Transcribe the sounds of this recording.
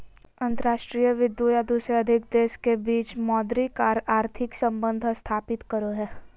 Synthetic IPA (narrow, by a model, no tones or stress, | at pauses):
ɐ̃nt̪əɾaːʃʈɾiːjəʋɪd̪ujad̪uːsɾeɐd̪ʱɪk̚d̪eːʃkebiːt͡ʃmɔːd̪ɾikaːɾaːɾt̪ʰɪksɐ̃mbə̃nd̪ʱst̪ʰaːpɪt̪kəɾoɦɛː